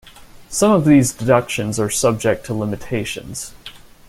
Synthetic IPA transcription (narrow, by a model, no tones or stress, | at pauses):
sʌ̃mʌvðizdɨdʌkʃɨ̃nzə˞sʌb̚d͡ʒɛk̚tʰəlɪ̃mɨtʰeɪʃɨ̰̃nz̥